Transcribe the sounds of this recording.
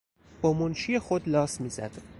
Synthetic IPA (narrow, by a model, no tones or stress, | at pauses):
b̥ɒːmonʃiːjexod̪lɒːsmiːzæ̰d̪̥